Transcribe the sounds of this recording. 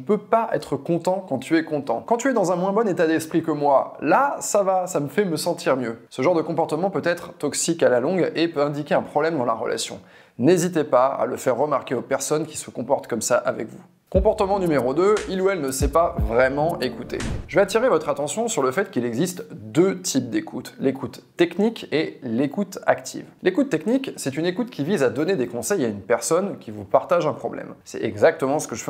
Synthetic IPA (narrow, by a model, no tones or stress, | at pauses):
pøpaʔɛ̰t̪χəkɔ̃t̪ɑ̃kɑ̃t̪yɛkɔ̃t̪ɑ̰̃kɑ̃t̪yɛd̪ɑ̃zɛ̃mwɛ̃bɔnet̪ad̪ɛspχikəmwalasavasaməfɛməsɑ̃t̪ʰiʁmjøsəʒɑ̃ʁd̪əkɔ̃pɔʁt̪əmɑ̃pøt̪ɛt̪χt̪ɔksikalalɔ̃ɡepøɛ̃d̪ikʲeɛ̃pχɔblɛmd̪ɑ̃la̰ʁə̰lʔa̰sjɔ̰̃ | nezit̪epaa̰ləfɛʁːəmaʁkʲeopɛʁsɔnkʲi̥səkɔ̃pɔʁt̪kɔmsaʔavɛ̰kvu | kɔ̃pɔʁt̪əmɑ̃nymeʁod̪øiluɛlnəsɛpavʁɛmɑ̃ekut̪ḛʒəveat̪iʁevɔt̪χat̪ɑ̃sjɔ̃syʁləfɛt̪kilɛɡzist̪d̪øt̪ʰip̚d̪ekʰut̪lekʰut̪ːɛknikelekut̪akt̪ʰḭvlekut̪ːɛkniksɛt̪ynekut̪kʲivizad̪ɔned̪ekɔ̃sɛjaynpɛʁsɔnkʲivupaʁt̪aʒɛ̃pχɔblɛ̰msɛ̰ɛɡzak̚t̪əmɑ̃sə̥kəʒəfɛ